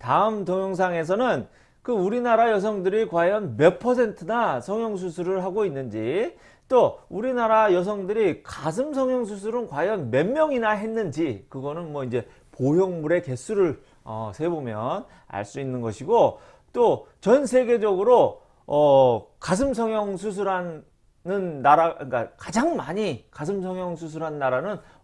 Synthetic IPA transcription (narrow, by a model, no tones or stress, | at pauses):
taɯmtʌŋjʌŋs̬ʰaŋe̞s̬ʰʌnɯn | kɯuɾinaɾajʌs̬ʰʌŋdɯɾikwajʌnme̞pʰʌs̬ʰe̞ntʰɯnasʰʌŋjʌŋs̬ʰusʰuɾɯɭɦaɡoinːɯnd͡ʑi | t͈ouɾinaɾajʌs̬ʰʌŋdɯɾikas̬ʰɯmsʰʌŋjʌŋs̬ʰus̬ʰuɾɯnkwajʌnme̞mːjʌŋinaɦe̞nːɯnd͡ʑikɯɡʌnɯnmwʌind͡ʑe̞ | pojʌŋmuɾe̞ke̞s͈ʰuɾɯɭ | ʌ̰sʰe̞bomjʌn | a̰ɭs͈uinːɯnɡʌɕʰiɡo | t͈o | t͡ɕʌns̬ʰe̞ɡe̞d͡ʑʌɡɯɾo | ʌkas̬ʰɯmsʰʌŋjʌŋsʰus̬ʰuɾɦan | nɯnːaɾaik͈akad͡ʑaŋmaɲikas̬ʰɯms̬ʰʌŋjʌŋsʰus̬ʰuɾɦannːaɾanɯn